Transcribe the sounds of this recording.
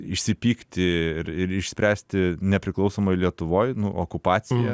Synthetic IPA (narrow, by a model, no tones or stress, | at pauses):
ɪʃʲsʲɪpʲiːkt̪ʲɪɪɾɪɾɪʃʲsʲpʲɾʲæːsʲt̪ʲɪnʲɛpʲɾʲɪklˠɐʊsoːmɐɪlʲiɛt̪ʊʋoːjnʊʔo̰ːkʊpɑːt͡s̪ʲɪjɛ